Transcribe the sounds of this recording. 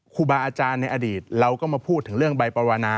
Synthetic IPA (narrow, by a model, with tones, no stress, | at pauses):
kʰuː˧baː˧ʔaː˧t͡ɕaː˧nːa˧jʔa˧diː˨˩t̪̚ɾa˧wkɔː˥˩maː˧pʰuː˥˩t̪ʰːɯ˩˦ŋɾɯ˥˩əŋba˧jpaː˧waː˧naː˧